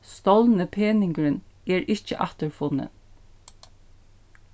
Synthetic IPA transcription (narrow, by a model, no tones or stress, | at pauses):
st̪ɔlnəpʰeːnɪŋkɹənɛːɹʔɪçt͡ʃə̰ʔɑht̪əɹfʊnːə̰n